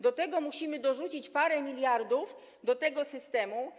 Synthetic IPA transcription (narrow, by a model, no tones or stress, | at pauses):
d̪ɔt̪ɛɡɔmuɕimɘd̪ɔʐut͡ɕit͡ɕpaɾɛmʲilʲjaɾd̪uf | d̪ɔt̪ɛɡɔsɘst̪ɛmu